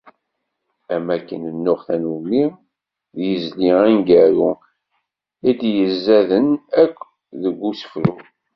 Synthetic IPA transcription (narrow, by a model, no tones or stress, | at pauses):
æmækːənənːʊʁθænumi | ðjəzliʁænɡæɾu | id̪jəzːæðənækʷː | ðəɡʷːusə̥fɾu